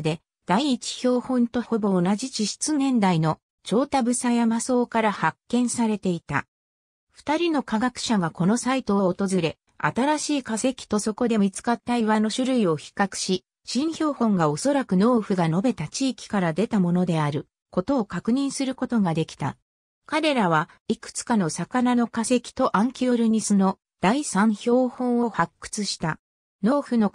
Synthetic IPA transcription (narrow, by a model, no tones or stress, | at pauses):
d̪e̞ | d̪̥aiːt͡ɕi̥çʲo̞ːhõ̞nt̪o̞ho̞bo̞ːnaʑit͡ɕiɕi̥t͡sɨnẽ̞nd̪aino̞ | t͡ɕo̞ːt̪abɯ̟sajamaso̞ːkaɾahakːẽ̞ɰ̃saɾe̞t̪e̞it̪a̰ | ɸɯ̥t̪aɾʲino̞kaɡakɯ̟̥ɕaɡako̞no̞sait̪o̞ːt̪o̞zɨɾe̞ | a̰t̪aɾaɕiːkase̞kʲi̥t̪o̞so̞ko̞d̪e̞mʲit͡sɨ̥kat̪ːaiβano̞ɕɨɾɯ̟io̞çi̥kakɯ̟̥ɕi | ɕĩɰ̃ço̞ːhõ̞ŋɡao̞so̞ɾakɯ̟no̞ːɸɯ̟ɡano̞be̞t̪at͡ɕiːkʲi̥kaɾad̪e̞t̪amo̞no̞d̪e̞aɾɯ̟ | ko̞t̪o̞ːkakɯ̟ɲ̟ĩɰ̃sɨɾɯ̟ko̞t̪o̞ɡad̪e̞kʲi̥t̪a̰ | kaɾe̞ɾaβ̞aikɯ̟̥t͡sɨ̥kano̞sakanano̞kase̞kʲi̥t̪o̞ʔãŋkʲio̞ɾɯ̟ɲ̟isɨno̞ | d̪̥aisãɰ̃ço̞ːhõ̞ɰ̃o̞hakːɯ̟̥t͡sɨɕi̥t̪a | no̞ːɸɯ̟no̞